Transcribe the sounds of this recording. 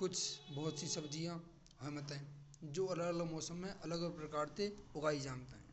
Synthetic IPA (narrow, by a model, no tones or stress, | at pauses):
kʊt͡ʃʰbɔɦʊt̪sisəbd͡ʒijã | həmət̪ɦɛ̃ː | d͡ʒoːələɡələɡmɔːsəmːẽʔɐləɡpɾəkaːɾt̪eʊɡaːid͡ʒaːmt̪ɦɛ̃ː